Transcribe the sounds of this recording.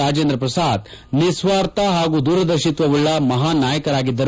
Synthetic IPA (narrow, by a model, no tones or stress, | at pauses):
aːd͡ʒeːnd̪ɾɐpɾɐsaːd̪ | nisʋaːɾt̪ɐɦaːɡuːd̪uːɾɐd̪ɐʃit̪ʋɐʋuɭːɐmɐɦaːnaːjɐkɐɾaːɡid̪ːɐɾ